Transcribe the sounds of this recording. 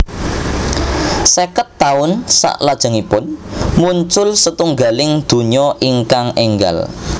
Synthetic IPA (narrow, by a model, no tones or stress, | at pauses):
sekət̪ːaʊnsa̰ʔlad̥ʒ̥a̤ŋipʊnmuɲt͡ʃʊlsət̪uŋɡalɪŋd̪̥o̤ɲɔʔiŋkaŋɛŋɡa̰l